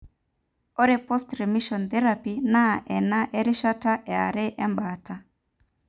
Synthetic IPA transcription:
ɔ˦ɾepɔ˦stɾɛmi˦ʃɔ˨nθɛ˦ɾapina˦ʔɛ˨na˦ʔe˦ɾi˦ʃa˦ta˦ʔɛ˨a̰˨ɾe˦ʔɛ˦mba˨tʰa˦

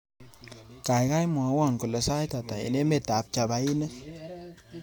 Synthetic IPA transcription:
ka˨jka˦jmɔ˨a˨˦wɔ˦˨nku˨le˨sa˦jta˨ta˨ḭ˨ne˦me˨ta˨˦p̚t͡ʃa˨ba˨i˦nɛ˦

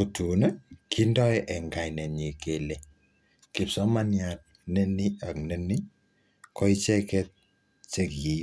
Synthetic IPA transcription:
ku˨tu˨nɛ˦kʰi˦ndɔ˦ɛʔɛ˨ŋɡa˨jnɛ˨ɲi˨ke˨le˨ | ki˨psɔ˦ma˦nja˨t̚ | nɛ˦ni˦a˨kne˦ni˦ | kɔ˦i˦t͡ʃɛ˦kɛ˦t̚ | t͡ʃe˦kji˨

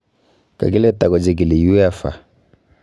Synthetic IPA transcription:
ka̰˨ki˦lɛ˦ta˨kɔ˨d͡ʒi˦k̬i˨li˨ju˦ɛ˦fa̰˨

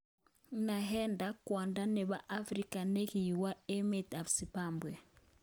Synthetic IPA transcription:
na˨ɦɛ˦nda˦kwa˨nda˦nɛ˨ba˨ʔa˦fɾi˦ka˨ne˦ki˨jwa˦e˦me˨ta˨bsi˨pambwɛ˨

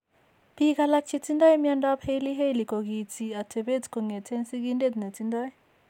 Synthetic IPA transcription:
pi˦k̬a˨la˦t͡ʃʰi˦t͡sʰinda˦ji˦mjanda˦phe˦jli˦ɦe˦jli˨kɔ˨k̬i˨t͡sʰi˨a˨tʰɛ˨ɓe˦t͡skʰɔ˨ŋɛ˨tʰɛ˦nsi˦k̬inde˦di˨na˨tʰinda˦j

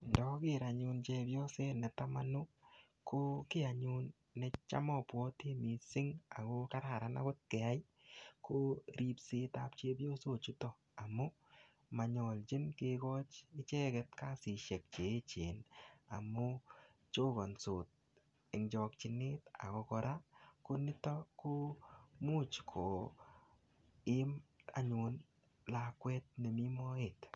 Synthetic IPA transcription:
ndɔ˦kɪ˦ɾa˨ɲu˧nt͡ʃe˧pjɔ˦se˦nɛ˨ta˦ma˦nʊ˦ | kʰo˦kɪ˦a˨ɲu˦nː | ɛ˧t͡ʃa̰˦mɔpwɔ˦te˦mi˨sɪ˦ŋa̰˨ko˦ka˦ɾa˨ɾa˨na̰˦kʊ˦t̚kɛ˨a˦j | kʰo˦ɾi˦pseː˧ta˦pt͡ʃeː˦bjo˦so˨t͡ʃu˦tɔ˨ | a˨mʊ˦ | ma˨ɲɔ˨lt͡ʃɪ˦nkeːkɔ˦t͡ʃɪ˦t͡ʃɛ˦kɛ˧t̚ka˦sɪ˨ʃɛ˨k̚t͡ʃe˨˦t͡ʃeː˨na̰˨mʊ˦ | t͡ʃo˦ɡɔ˨nsoː˨t̚ | ɪ˨ŋd͡ʒɔ˧kt͡ʃɪ˧nɪ˦ta̰˨kɔ˧kɔ˧ɾa˦kʊ˧nɪ˦tɔ˦ko˦mu˦t͡ʃkʰo˨ | ɪ˦ma̰˨ɲʊ˨n | la˨kwɛ˦t̚ne˨mi˦mɔ˦e˨t

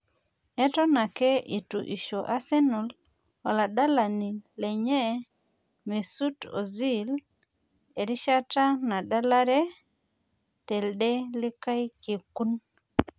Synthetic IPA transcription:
ɛ˦tɔ˦na˨kɛ˦ʔi˨tu˨ʔi˨ʃo˨ʔa˦se˦nu˨l | ɔ˨la˨ɗa˦la˨ni˨lɛ˨ɲɛ˦ | me˨su˦to̰˨zi˦l | e˨ɾi˦ʃa˦ta˦na˨ɗa˦la˦ɾɛ˦ | te˨lde˦lɪ˦ka˦jke˨ku˦n

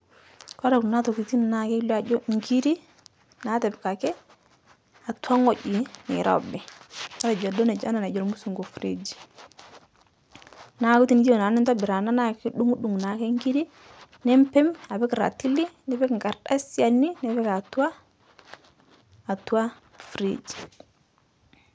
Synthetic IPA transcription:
ka˦ɾa˨kna˦to˨ki˨ti˦nna˨ke˦lɔ˦a˨d͡ʒo˦ŋ˦ki˦ɾi˦ | na˨˦tɛ˨b̚ka˨kɛ˦ | a˨ta˦ŋɔ˨d͡ʒi˨nḛ˨ɾɔ̰˦˨bɛ˨ka˦ɾa˨d͡ʒɔ˨dɔ˦nɛ˨d͡ʒa̰˦na˨na˨d͡ʒɔ˨lmu˦su˨ŋɡo˨fɾḛ˨d͡ʒi˨ | na˨˦ku˦ti˨n˦d͡ʒo˨na˨ni˦nta˦bi˨ɾa˨na˦na˦kki˦ɗu˦ŋu˦ɗu˨ŋna˨ke˦ŋɡi˦ɾi˦ | nɛ˦mpɛ˦ma˨bɛ˦kɾa̰˨ti˦li˦nɛ˨˦bɛ˦kŋɡa˨ɾɗa̰˦si˦a˨ni˦nɛ˨bɛ˦ka˨tu˦a˦˨ | tu˦wa˦ | fɾḛ˨d͡ʒi̥˨

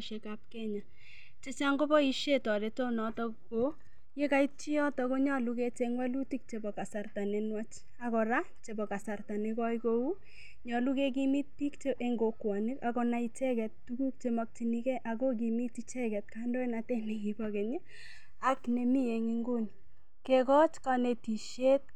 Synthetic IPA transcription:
ʃe˨ka˦p̚kɛ˦ɲa˨ | t͡ʃe˦t͡ʃa˦ŋɡo˦bɔ˦i˦ʃe˦tɔ˨ɾe˨to˦nɔ˨tɔ˦kko | je˦ka˦i˦t͡ʃi˦ɔ˦tɔ˨ko˦ɲɔ˦lu˦ke˦t͡ʃeŋwa˦lu˦ti˦k̚t͡ʃe˨bɔ˨ka˨sa˨rta˨ne˨nwa˦t͡ʃ | a˨kɔ˨ɾa˦t͡ʃe˨bɔ˨ka˨sa˨rta˨ne˧kɔ˦iko˦u˦ | ɲɔ˨lu˦ke˦k̬i˦mi˦t̚pi˦kt͡ʃeʔe˦ŋɡo˨kwa˨ni˦ɾa˨kɔna˨it͡ʃɛ˦kɛ˨ttuku˦k̚t͡ʃe˨mɔ˧k̚ti˨nikɛ˦ʔa˨kok̬i˨mi˦ti˦t͡ʃɛ˦kɛ˨t̚kando˦e˦natɛ˦ni˨kibɔke˨ɲe˦ | akne˨mi˦je˨ŋi˦ŋɡu˦n | ke˨kɔ˦t͡ʃkane˨ti˨ʃje˦t̚

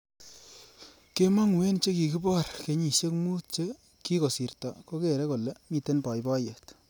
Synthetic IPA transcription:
ke˦ma˦ŋ˨we˦nt͡ʃe˦ki˨ki˦bɔ˦˨rke˧˦ɲi˨ʃe˦kmu˦t̚t͡ʃe˦ | ki˦ko˨si˨ɾtɔ˨ko˦ke˨ɾe˦ko˨le˦mi˨te˦npɔ˨jbɔ˦je˨t

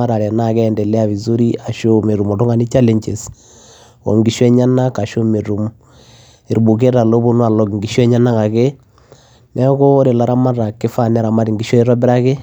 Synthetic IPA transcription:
a˦ɾa˨ɾɛ˨na˦˨kɛ˦˨ndɛ˨lɛ˦a˨βi˨zu˦ɾi˦a˨ʃo˦me˨ɾu˨mɔ˨tu˦ŋa˨ni˦t͡ʃa˦le˨ɲt͡ʃe˨s | ɔ̰˨ŋɡi˨ʃwɛ˦ɲa˦na˦ka˨ʃo˦me˨ɾu˨m | i˨ɾbu˨k̬e˦ɾa˨lo˦bo˦nu˦a˨lɔ˦kŋɡi˨ʃɛ˦ɲa˦na˦ŋa˨ke˦ | nʔɛ˦ko˦ɾe˨la˦ɾa˦ma˦ɾa˨kɪ˦fa˦˨nɛ˦ɾa˨ma˦ɾi˨ŋɡi˨ʃɔ˦i˦ɾɔ˦bɪ˦ɾa˦ke˦

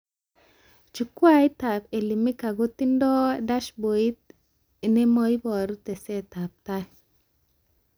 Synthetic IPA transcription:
t͡ʃu˨kwa˦jt̪a˨pe˨li˨mi˦ka˨ɡo˦t̪i˦ndɔ˦da˦ʃbo˨i˦t̪̚ | ne˦mɔ˦jbɔ˨ɾu˦t̪ɛ˨sɛ˦t̪a˨p̚t̪a˦

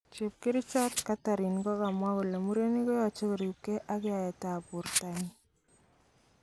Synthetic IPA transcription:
t͡ʃi˨p̚kɪ˦ɾɪ˦t͡ʃɔ˦tka˦ta˨ɾi˨nkɔ˦ka˨mwa˦ku˨la˨mu˦ɾe˦ni˦kɔ˦ja˨t͡ʃe˦kɔ˨ɾju˨kːe˦ʔa˦kɪ˦a˨jɛ˨ta˨pu˨rta˦n

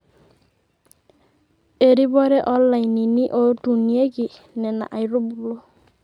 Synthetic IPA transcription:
e˨ɾi˦bɔ˦ɾɛ˦ʔɔ˦lːa˨jni˨ni˦ʔodu˨ni˦e˦ɡi˨ | nɛ˨na̰˨ʔa˨jɾo˦bulo˦

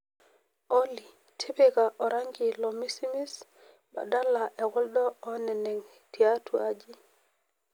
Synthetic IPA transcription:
oli˨ | tʰe˦beɡaʔɔ˨ɾaŋɡi˨lɔmi˦si˦mi˦s | ba̰˨da˦laʔɛ˨ɡɔ˦ldɔː˦nɛ˨nɛ˨ŋ | tʰi˨atʰuad͡ʒi˦

